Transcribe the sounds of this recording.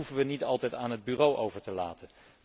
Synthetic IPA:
ufəʋənitɑlˠtɛjtaːnɦəd̚byːrowʔowvəɹtəla̰ːtən

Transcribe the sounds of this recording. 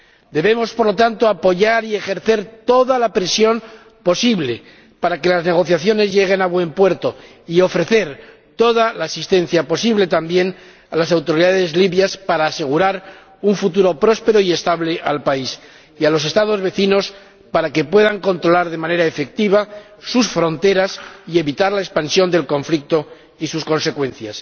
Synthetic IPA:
d̪e̞βe̞mo̞spoɾlot̪ant̪oapo̞ʝaɾie̞xe̞ɾθe̞ɾt̪o̞ðalapɾesjo̞n | po̞siβle̞ | paɾake̞lazne̞ɣ̞o̞θjaθjo̞ne̞zʝe̞ɣ̞e̞naβwe̞mpwe̞ɾt̪o̞ | io̞fɾe̞θe̞ɾ | t̪o̞ðalaːsist̪e̞n̟θjapo̞siβle̞t̪ambje̞n | alasawt̪o̞ɾiðaðe̞zliβjaspaɾaːse̞ɣ̞uɾaɾ | uɱfut̪uɾo̞pɾo̞spe̞ɾoie̞st̪aβle̞ʔalpais | ialo̞s̬e̞st̪að̞o̞zβe̞θino̞s | paɾake̞pwe̞ðaŋko̞nt̪ɾo̞laɾðe̞mãne̞ɾaefe̞k̚t̪iβ̞a | susfɾo̞nt̪e̞ɾasie̞βit̪aɾlaespansjo̞nd̪e̞lko̞ɱflik̚t̪o̞ | isusko̞nse̞kwẽ̞n̟θjas

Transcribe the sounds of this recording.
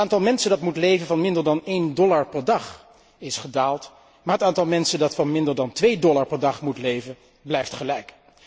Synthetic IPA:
aːntɑlˠmɛnsəndɑtmutlejvənvɑnmɪndəɹdɑnejndɔlaɹpɛɹdɑχ | ɪsχədaːlˠt | maːɹɦətaːntɑlˠmɛnsəndɑtfɑnmɪndəɹdɑntʋejdɔlaɹpɛɹdɑχmutlejvən | blɛjftχəlɛjk

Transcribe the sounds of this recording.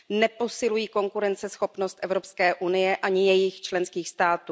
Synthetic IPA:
nɛpo̞sɪlujiːko̞ŋkuɾɛnt͡sɛsxo̞pnost̪ʔɛvɾo̞pskɛːʔunɪjɛʔaɲɪjɛjɪxt͡ʃlɛnskiːxst̪aːt̪uː

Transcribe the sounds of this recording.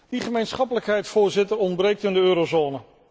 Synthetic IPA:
diχəmejnsχɑpələkɦɛjtfʊːɹzɪtəɹɔndbrejk̚tɪndəøːɾozoːnə

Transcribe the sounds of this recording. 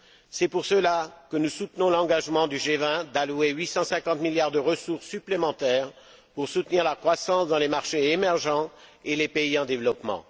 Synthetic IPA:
sɛpuʁsəlakənusut̪nɔ̃lɑ̃ɡaʒmɑ̃d̪yʒevɛ̃d̪alueɥisɑ̃sɛ̃kɑ̃t̪miljaʁd̪əʁəsuʁsːyplemɑ̃t̪ɛʁ | puʁsut̪niʁlakχwasɑ̃sd̪ɑ̃lemaʁʃeemɛʁʒɑ̃elepeiɑ̃d̪evlɔpmɑ̰̃

